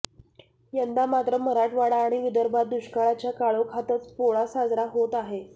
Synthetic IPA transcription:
jənd̪amat̪ɾəməɾaʈʋaɽaːɽ̃iʋid̪əɾbʱat̪̚d̪uɕkaɭat͡ɕjakaɭokʰat̪ət͡spoɭasad͡zɾaɦot̪aɦe

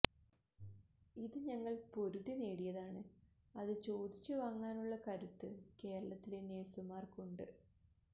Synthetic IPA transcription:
iðɨɲɐŋːɐɭpo̞ɾuðine̞ːɽijɐðaːɳɨ | ɐðɨt͡ɕo̞ːd̪it͡ɕːɨʋaːŋːaːnuɭːɐkɐɾut̪ːɨke̞ːɾɐɭɐt̪ːileneːsumaːrkuɳɖɨ

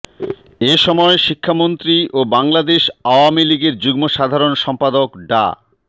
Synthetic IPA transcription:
eʃɔmɔeʃikʰːamont̪ɾiʔobaŋlad̪eʃaoamiliɡeɾd͡ʑuɡmoʃad̪ʱaɾonʃɔmpad̪okɖa̰

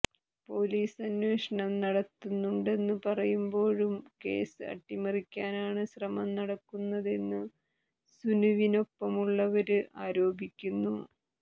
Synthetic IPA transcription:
po̞ːliːsɐnwe̞ːʂɐɳɐmnɐɽɐt̪ːunːuɳɖe̞nːɨpɐrɐjumbo̞ːɻumke̞̰ːsɨɐ̰ʈːimɐrikʲːaːnaːɳɨɕrɐmɐmnɐɽɐkːunːɐðe̞nːɨ | sunuʋino̞pːɐmuɭːɐʋɐɾɨʔaːɾo̞ːbʱikʲːunːu

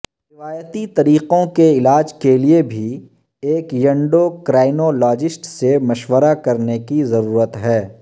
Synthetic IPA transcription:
ɾɾɪʋaːjət̪it̪ɐɾiːqõkeɪlaːd͡ʒkeliebʱi | eːkjɐ̃ɳɖokɾaːɪnolɔːd͡ʒɪsʈsemɐʃwəɾakɐɾnekizɐɾuːɾət̪ɦɛː

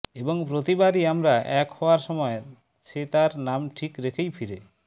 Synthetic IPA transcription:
eboŋpɾot̪ibaɾiamɾaʔɛkhɔoaɾʃɔmɔe | ʃet̪aɾnamʈʰikɾekʰejfʰiɾe

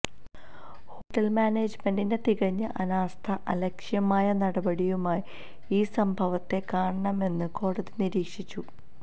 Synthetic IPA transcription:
ho̞ːʈːɐlmaːneːd͡ʑmendine̞t̪iɣɐɲːɨʔɐnaːst̪ʰɐʔɐlɐkʂjɐmaːjɐnɐɽɐbɐɽijumaːji | iːsɐmbʱɐʋɐt̪ːe̞kaːɳɐɳɐme̞nːɨko̞ːɽɐðiniɾiːkʂit͡ɕːu

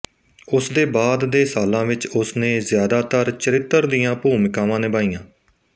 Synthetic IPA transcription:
ʊsd̪eːbaːd̪ːeːsaːlãːʋɪt͡ʃʊsnẽːzjaːd̪aːt̪əɾt͡ʃəɾɪt̪ːəɾd̪ijãːpuːmɪkãːʋãːneːbaːijãː

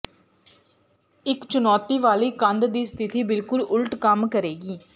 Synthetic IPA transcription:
ɪkt͡ʃʊnɔːt̪iːʋaːliːkənd̪d̪iːst̪ʰɪt̪iːbɪlkʊlʊlʈkəmkəɾeːɡiː

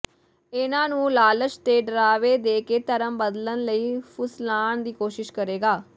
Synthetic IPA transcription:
ɪnãːnũːlaːlət͡ʃt̪eːɖɾaːʋeːd̪eːkeːt̪əɾəmbəd̪lənləiːpʰʊslaːɳd̪iːkoːʃɪʃkəɾeːɡaː

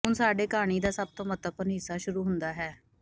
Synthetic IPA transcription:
ɦʊnsaːɖeːkaːɽ̃iːd̪aːsəb̚t̪õːmət̪əpːənɦɪsːaːʃʊɾuːɦʊnd̪aːɦɛː

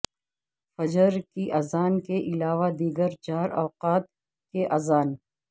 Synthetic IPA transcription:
fɐd͡ʒəɾkiʔɐzaːnkeʔɪlaːʋad̪iːɡəɾd͡ʒaːɾɔːqaːt̪̚ | keʔɐzaːn

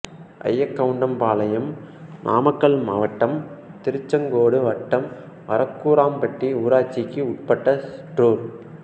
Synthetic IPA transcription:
ʔɐ̰jːɐkːɐʋɯɳɖɐmpaːlɐjɐm | nʔa̰ːmɐkːɐɭmɐʋɐʈːɐmt̪ɪɾɯt͡ʃːɐŋɡoːɽɯʋɐʈːɐm | ʋɐ̰ɾɐkːuːɾaːmpɐʈriuːɾaːt͡ʃːɪkːɯʊʈ̚pɐʈːɐsʈroːɾ

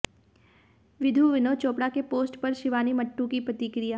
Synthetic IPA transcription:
ʋɪd̪ʱuʋɪnot͡ʃoːpɽakepoːsʈpɐɾʃɪʋaːnimɐʈːukipɾɐt̪ikɾɪjaː

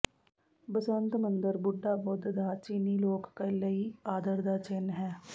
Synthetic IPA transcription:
bəsə̃nt̪mə̃nd̪əɾbʊɖːaːbʊd̪d̪aːt͡ʃiniːloːkːeləiaːd̪əɾd̪aːt͡ʃɪnɦɛː

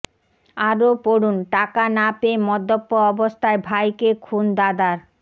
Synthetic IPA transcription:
aɾopoɽunʈakanapemɔd̪ːopːoɔbost̪ʰaebʱajkekʰund̪ad̪aɾ

